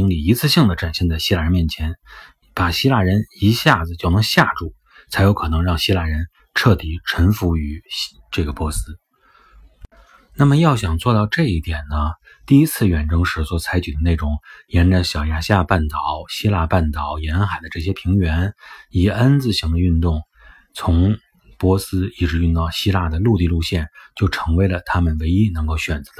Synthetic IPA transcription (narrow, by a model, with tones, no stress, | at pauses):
i˧˥ŋli˨˩i˧˥t͡sʰɹ̩˥˧ɕi˥˩ŋd̪ə˩ʈ͡ʂa˨˩nɕjɛ˥˧nt͡sa˥˩ɪɕi˥la˥˩ɻə˧˥nmjɛ˥˩nt͡ɕʰjɛ˧˥n | pa˨˩ɕi˥la˥˩ɻə˧˥ni˧˥ɕja˥˩d͡zɹ̩˨˩t͡ɕjo˥˩ʊnɤ˧˥ŋɕja˥˧ʈ͡ʂu˥˩ | t͡sʰa˧˥ɪjo˧˥ʊkʰɤ˨˩nɤ˧˥ŋɻɑ˥˩ŋɕi˥la˥˩ɻə˧˥n | ʈ͡ʂʰɤ˥˩t̪i˨˩ʈ͡ʂʰə˧˥nfu˧˥y˨˩ | ʈ͡ʂɤ˥˩ɡə˩pwɔ˧˥sɹ̩˥ | na˥˩mə˩jɑ˥˩ʊɕjɑ˨˩ŋt͡swɔ˥˧t̪ɑ˥˧ʊʈ͡ʂɤ˥˧i˥˩t̪jɛ˨˩nnə˦ | t̪i˥˩i˥t͡sʰɹ̩˥˩ɥɛ˨˩nʈ͡ʂɤ˥ŋʂɻ̩˧˥swɔ˧˩˥t͡sʰa˧˥ɪt͡ɕy˨˩d̪ə˦ne˥˩ɪʈ͡ʂʊ˧˥˦ŋjɛ˧˥nʈ͡ʂa˧˩ɕjɑ˨˩ʊja˧˥ɕja˥˧pa˥˩nt̪ɑ˨˩˦ʊɕi˥la˥˧pa˥˩nt̪ɑ˨˩˦ʊjɛ˧˥nxa˨˩ɪd̪ə˦ʈ͡ʂɤ˥˩ɕjɛ˥pʰi˧˥ŋɥɛ˧˥ni˨˩ə˥nt͡sɹ̩˥˩ɕi˧˥ŋd̪ə˧y˥˧nt̪ʊ˥˩ŋ | t͡sʰʊ˧˥ŋ | pwɔ˧˥sɹ̩˥i˥˩ʈ͡ʂɻ̩˧˥y˥˧nt̪ɑ˥˩ʊɕi˥la˥˩d̪ə˩lu˥˧t̪i˥˧lu˥˧ɕjɛ˥˩nt͡ɕjo˥˩ʊʈ͡ʂʰɤ˧˥ŋwe˧˥ɪlə˨t̪ʰa˥mə˨nwe˧˥ɪi˥nɤ˧˥ŋko˥˩ʊɕɥɛ˨˩nt͡sɤ̥˧˥d̪